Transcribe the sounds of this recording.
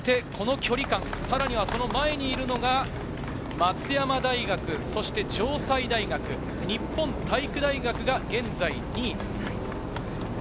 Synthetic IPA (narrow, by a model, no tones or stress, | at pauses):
t̪e̞kʰo̞no̞kʲo̞ɾʲikãŋ̃saɾaɲ̟iβ̞aso̞no̞mae̞ɲ̟iːɾɯ̟no̞ɡa | mat͡sɨjamad̪aiɡakɯ̟so̞ɕi̥t̪e̞d͡ʑo̞ːsaid̪aiɡakɯ̟ | ɲ̟ipːõ̞nt̪aikɯ̟d̪aiɡakɯ̟ɡaɡẽ̞nd͡zaiɲ̟i